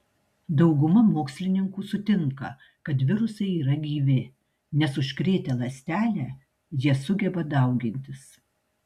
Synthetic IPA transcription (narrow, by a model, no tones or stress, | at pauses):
d̪ɒʊɡʊmɐmoːksʲlʲɪnʲɪŋkuːsʊt̪ʲɪŋkɐ̰ | kɐt̪ʋʲɪɾʊsɐɪiːɾɐɡʲiːʋʲɪ | nʲɛsʊʃʲkɾʲeːt̪ʲɛlˠɐsʲt̪ʲæːlʲæː | jiɛsʊɡʲɛbɐd̪ɐˑʊɡʲɪnʲt̪ʲɪs